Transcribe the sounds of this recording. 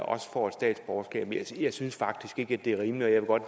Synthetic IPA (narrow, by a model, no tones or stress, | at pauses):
ʔɒ̽sə̥fɒ̰ːed̥sd̥ɛ̰ːd̥sb̥ɒʊɐsɡ̥ɛ̰ːb̥mjɑ̈ɪsynsfɑ̈ɡ̥̚d̥isɡ̥e̝ɡ̥əæd̥e̝æɐʁiːmliɒ̽jɑ̈ʋe̝ɡ̥ɒ̽d̥